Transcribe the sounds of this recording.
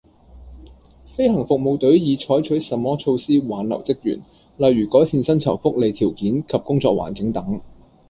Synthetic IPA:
fe˥jhɐ˨˩ŋfʊ˨k̚mo˨˧wt̪ɵ˨˥ɥjiː˨˧t͡ʃʰɔː˨˥jt͡ʃʰɵ˨˥ɥsɐ˨mːɔː˥t͡ʃʰo˧wsiː˥waː˨˥nlɐ̰˨˩wt͡sɪ˥k̚jy̰ː˨˩n | lɐ˨jːyː˨˩kɔː˨˥jsiː˧nsɐ˥nt͡sʰɐ˨˩wfʊ˥k̚le˨˧jt̪ʰiː˨˩wkiː˨˥nkʰɐ˨p̚kʊ˥ŋt͡sɔ̰ː˧k̚wa̰ː˨˩nkɪ˨˥ŋt̪ɐ˨˥ŋ

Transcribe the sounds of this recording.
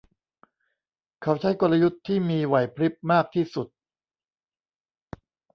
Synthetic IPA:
kʰa˦˥wt͡ɕʰa˦˥jko˧la˧ju˦˥t̪ʰːiː˥˩miː˧wa˨˩jpʰɾi˦˥p̚maː˥˩k̚t̪ʰiː˥˩su˨˩t̪̚

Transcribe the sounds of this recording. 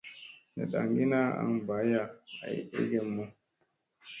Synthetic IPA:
na̰˨ɗa˨ŋɡi˦na˦a̰˦nba˨˦ja˦˨a̰˨jʔḛ˦ɡe˨mːu˦

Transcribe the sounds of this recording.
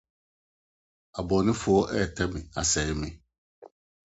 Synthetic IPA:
a˨bɔ˨nɪ̃˦fʊ˨ɔ˦ʔɛ˦˨tʰɛ˦mɪ̃˨a˨sɛ˨˦mɪ̃˦

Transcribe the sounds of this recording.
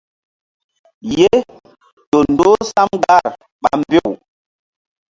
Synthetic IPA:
je˦ | to˨n˨do˦sa˦mɡa˦˨ɾ | ɓa̰˨m˦be˦˨w

